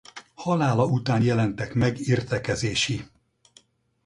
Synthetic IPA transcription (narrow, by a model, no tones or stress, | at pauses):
hɒlaːlɒut̪aːnjɛlɛnt̪ɛkmɛɡirt̪ɛkɛzeːʃi